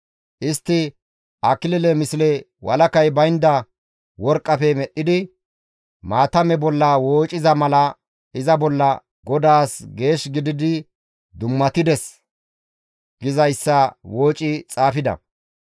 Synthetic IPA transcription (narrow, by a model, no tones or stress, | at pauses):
ʔɪst̪ːɪ | ʔɐkɪlɪlɛmɪslɛ | wɐ̰lɐkɐjbɐjnd̪ɐ | wɔɾkʼːɐfɛmɛɗːɪd̪ɪ | maːt̪ɐmɛbɔlːɐwoːt͡ʃʼɪzɐmɐlɐ | ɪzɐbɔlːɐ | ɡɔd̪aːsɡe̞ːʃɡɪd̪ɪd̪ɪ | d̪ʊmːɐt̪ɪd̪ɛs | ɡ̥ɪzɐjsːɐwo̞ːt͡ʃʼɪt͡sʼaːfɪd̪ɐ̰